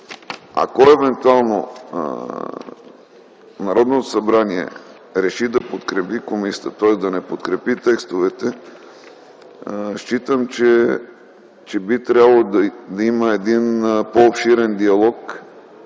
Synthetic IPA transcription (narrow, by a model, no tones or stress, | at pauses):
a̰koɛvɛnt̪ualˠno̰ | nɐɾɔd̪not̪osɐbɾaniɛ̰ | ɾɛʃid̪ɐpot̪kɾɛpikomisʲjə̥t̪ət̪ɔɛsd̪ɐnɛpot̪kɾɛpit̪ɛkst̪ovɛt̪ɛ | ʃt͡ʃit̪əmt͡ʃɛ | t͡ʃɛbit̪ɾʲabəlˠod̪ɐiməɛd̪inpoːpʃiɾɛnd̪iɐlˠɔk